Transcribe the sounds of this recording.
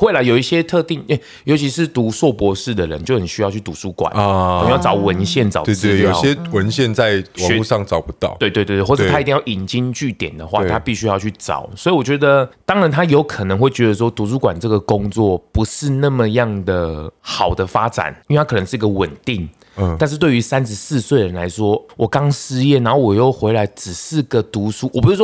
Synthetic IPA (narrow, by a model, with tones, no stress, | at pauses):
we˥˩ɪlə˨˩jo˨˩ʊi˥˩ɕjɛ˦˥t̪ʰɤ˥˧t̪i˥˩ŋe˥˩ | jo˧˥ʊt͡ɕʰi˧˦ʂɻ̩˥˩t̪u˧˦swɔ˥˩pwɔ˧˥ʂɻ̩˥˩d̪ə˩ɻə̰˧˦nt͡ɕjo˥˩ʊxə˨˩nɕy˧˥jɑ˥˧ʊt͡ɕʰy˥˩t̪u˨˥t͡su˥kwa̰˨˩n˨˥jt͡sɑ˨˥˦ʊwə˧˦nɕjɛ˥˨˩nt͡sɑ˨˩e˧ɹjoj̰ɕɛ˦˥wə˧˦nɕjɛ˥˧nt͡sa˥˩ɪwu˥˧ʂɑ˥˨˩ŋt͡sɑ˨ʊpu˧˦t̪ɑ˥˩˨we˥˧ɪt̪we˥˧t̪wwɔ˥˩˨t̪ʰa˥˧t̪i˥˧ja˥˩ʔi˨˩nt͡ɕi˦˥nt͡ɕy˥˩t̪jɛ˨˩nd̪ə˩xwa̰˥˧˨t̪ʰa˦˥pi˥˩ɕy˥jɑ˥˧ʊt͡ɕʰy˥˩ʈ͡ʂɑ̰˨˩˦ʊswɔ˧˥i˨wɔ˨˩t͡ɕɥɛ˧˦d̪ə˧t̪ɑ˥ŋɻa˧˦nt̪ʰa˥jo˧˥ʊkʰɤ˨˩nə˧˦ŋxwe˥˩ɪt͡ɕɥɛ˧˥d̪ə˧ʂ̬wɔ˥t̪u˧˥su˧˥kwa˨˩nʈ͡ʂɤ˥˩ɡə˩ko˥ŋt͡swɔ˥˩pu˧˦ʂɻ̩˥˧na˥˩mə˨jɑ˥˩ŋd̪ə˩xɑ˨˩ʊd̪ə˦fa˥ʈ͡ʂa̰˨˩˦ni˥nwe˩a˥kʰn˧˦ŋʂɻ̩˥˩˧ɡə˧wə˨˩nt̪i˥˩ŋ | t̪a˥˧nʂ̬ɻ̩˥˧t̪we˥˩ɪy˧˥sa˦nʂ̩˧sɹ̩˥˧swe˥˩ɪɻə˧˦nla˧˥ɪʂwɔ˥wʔɔ˨˩kɑ˦ŋʂɻ̩˥jɛ˥˩na˧˥nxo˥˩wɔ˨˩jo˥˩ʊxwe˧˥ɪla˧˥ɪʈ͡ʂɻ̩˨˩sɹ̩˥˩ɡə˨˩t̪u˧˥su˦˥wɔ˨˩pu˧˥ʂɻ̩˥˩wɔ˥